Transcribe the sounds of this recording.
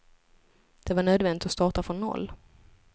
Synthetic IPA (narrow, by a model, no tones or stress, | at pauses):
d̪̥ɛvaɳøːd̪vɛnd̪ɪt̪ɔst̪ɑːʈafɾɔnːɔ̰lː